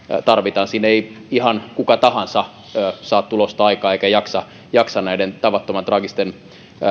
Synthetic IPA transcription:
t̪ɑrʋit̪ɑːnsinei | ihɑnkukɑt̪ɑhɑnsɑː | sɑːt̪t̪ulost̪ɑɑikɑːeikæjɑksɑ | jɑksɑnnæident̪ɑʋɑt̪ːomɑnt̪rɑɡist̪en

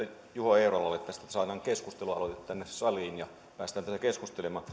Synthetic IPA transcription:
juhoeˑurolːɑlːet̪t̪æst̪æt̪æsɑinɑːŋkeskust̪eluɑlot̪et̪t̪ːænːessɑliːnjɑ | pæːst̪æːnt̪æsækeskust̪elemɑː

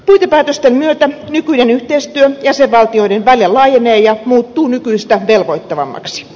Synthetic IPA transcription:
puit̪epæːt̪øst̪emmyøt̪ænykyinenyht̪eist̪yøjæseʋʋɑlt̪ioidenʋæljelɑːjeneːjɑmuːt̪ːuːnykyist̪æʋelʋoit̪ːɑʋɑ̰mːɑ̰ksi̥

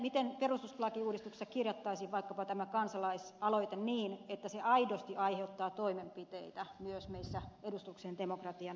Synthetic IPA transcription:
mit̪enperust̪uslɑkiuːdist̪ukse̥sɑkirjɑt̪ːɑisiʋʋɑikːɑpɑt̪æmækɑnsɑlɑisɑloit̪enniːnet̪ːæseʔɑidost̪iʔɑiheut̪ːɑːt̪oimempit̪ḛit̪æmyøsmeisːæedust̪uksend̪emokrɑt̪iɑn

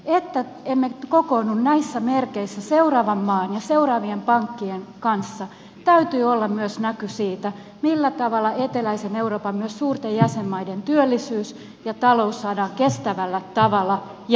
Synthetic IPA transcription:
et̪ːæ | emːekokoːnːunnæisːæmerkeisːæseurɑːʋɑmːɑːnjɑseurɑːʋiempɑŋkːieŋkɑnsːɑ | t̪æyt̪yːolːɑmmyøsnækysiːt̪æ | milːæt̪ɑʋɑlːˑɑet̪elæiseneuroːpɑmmyøssuːrt̪ejjæsemːɑident̪yølːisyːs | jɑt̪ɑlousːɑːdɑːŋkest̪æʋælːæt̪ɑʋɑlɑ | j

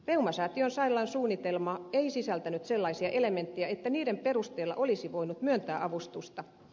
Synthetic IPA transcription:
reumɑsɑːt̪ionsɑilːˑɑnsuːnːit̪elmɑeisisælt̪ænyt̪selːɑisiɑʔelement̪ːejæet̪ːæniːɾemperust̪eːlːɑ̰ʔolisiʋoinut̪myønt̪æːʔɑʋust̪ust̪ɑ

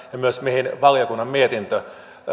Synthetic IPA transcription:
jɑmyøsmihinʋɑljokunːɑmmiet̪int̪ø

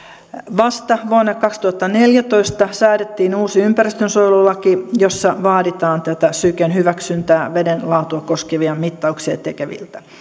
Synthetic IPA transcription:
ʋɑst̪ɑʋuonːɑkɑkst̪uhɑt̪ːɑneljæt̪oist̪ɑsæːɾet̪ːiːnuːsiympærist̪ønsojlulɑkijosːɑʋɑːdit̪ɑːnt̪æt̪æsykenhyʋæksynt̪æːʋedenlɑut̪uɑkoskeʋiɑmit̪ːɑukseɑt̪ekeʋḭlt̪æ̥

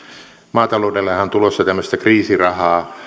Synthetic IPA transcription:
mɑːt̪ɑloudelːehæont̪ulosːɑt̪æmːøst̪ækriːsirɑhɑː

